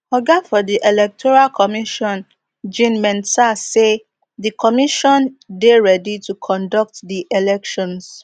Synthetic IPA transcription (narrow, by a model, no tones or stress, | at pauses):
ɔɡafɔdiʔelɛk̚tʰɔɹalkʰɔmiʃɔ̃n | d͡ʒĩnmɛ̃ntase | dikʰɔmiʃɔ̃ndeɹɛditukʰɔ̃ndɔk̚tdiʔelɛkʃɔ̃ns